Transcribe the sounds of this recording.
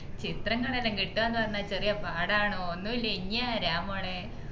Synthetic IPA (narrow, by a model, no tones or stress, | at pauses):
t͡ɕit̪rɐŋːɐɭelːeŋɡiʈːuenːɨpɐrɐɲːat͡ɕerijɐpaːɽaːɳoonːuilːeiɲːɐɾaːmoːɳe